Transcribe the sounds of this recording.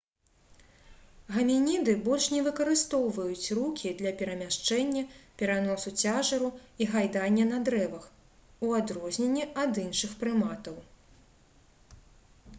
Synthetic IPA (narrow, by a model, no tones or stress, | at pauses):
ɣɐmʲinʲid̪ɨbɔlʲʂnʲɛvɨkɐɾɨst̪ɔwvɐjut͡sʲrukʲid̪lʲɐpʲɛɾɐmʲaʂt͡ʂɛnʲːɐpʲɛɾanɔsut͡sʲaʐɐɾuiɣajd̪anʲːɐnɐd̪ɾɛvɐx | uad̪ɾɔzʲnʲenʲːiɐd̪inʂɨxpɾɨmat̪ɐw